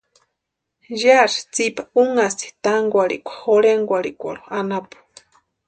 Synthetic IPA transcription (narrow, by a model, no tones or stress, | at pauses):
jaɾi̥t͡sipauŋast̪i̥t̪aŋɡʷaɽḭkʷḁhoɾeŋɡʷaɽḭkʷa̰ɾuanapu̥